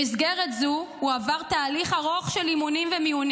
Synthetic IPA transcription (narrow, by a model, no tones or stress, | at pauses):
isɡeʁet̪zuuavaʁt̪aːliχaʁoχʃelimunimvemiun